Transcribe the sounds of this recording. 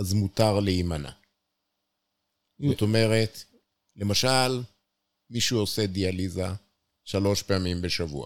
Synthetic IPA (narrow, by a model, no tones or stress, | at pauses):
azmutaʁleimana̰ | zot̪o̞me̞ʁe̞t | le̞maʃal | miʃuo̞sedializa | ʃalo̞ʃpeamimbe̞ʃavṵa̰